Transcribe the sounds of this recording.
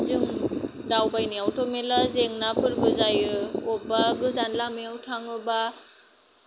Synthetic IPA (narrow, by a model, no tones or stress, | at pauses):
zɯŋdawbajniawtʰomelazeŋnapʰɯɾɡɯzajɯɔbaɡɯzanlamiawtʰaŋɯba